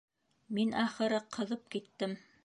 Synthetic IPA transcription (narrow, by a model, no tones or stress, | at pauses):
minɑχɤ̆ɾɤqʰɤ̆ðɤp̚kit̪ːɘm